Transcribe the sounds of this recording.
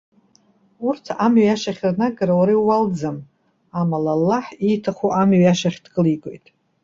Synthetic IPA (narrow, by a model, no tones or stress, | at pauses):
urtʰamɥaʃaχʲrnaɡaɾawaɾawald͡zam | amalalːaħijtʰaχʷuʔamɥaʃaχʲdkʼɨlikʼo̞̰jtʼ